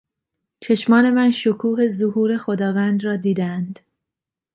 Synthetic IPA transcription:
t͡ʃʰe̞ʃmɒːne̞mænʃokʰuːɦe̞zohuːɾe̞xod̪ɒːvænd̪ɾɒːd̪iːd̪ænd̪̥

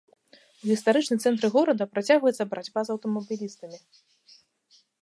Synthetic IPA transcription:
uɣʲist̪aɾɨt͡ʂnɨmt̪sɛnt̪ɾɨɣɔɾɐd̪ɐpɾat͡sʲaɣvɐjɛt̪sːɐbɐɾad͡zʲbazɐwt̪ɔmɐbʲilʲist̪ɐmʲi

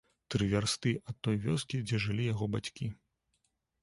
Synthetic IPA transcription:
t̪ɾɨvʲarst̪ɨʔɐt̪ːɔjvʲɔskʲid͡zʲɛʐɨlʲijaɣɔbat͡sʲkʲi

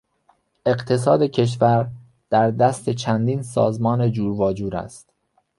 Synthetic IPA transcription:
ʔe̞ɢt̪ʰe̞s̬ɒːd̪e̞cʰe̞ʃ̬væɾ | d̪̥æɾd̪æst̪ʰe̞t͡ʃʰænd̪iːnsɒ̰ːzmɒːne̞d͡ʒuːɾvɒːd͡ʒuːɾæ̰st̪

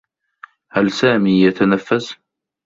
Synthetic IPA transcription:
halsaːmiːjat̪anafːas

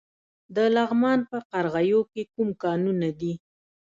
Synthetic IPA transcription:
d̪əlaɣmɑnpəqaɾɣajokekumkɑnunad̪i

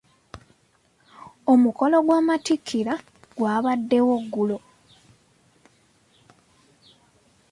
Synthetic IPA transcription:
o̞muko̞lo̞ɡwaːmatikʰːiɾa | ɡwaːβadːe̞wo̞ɡːulo

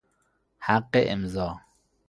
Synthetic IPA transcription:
haqːeʔɪmzɒː

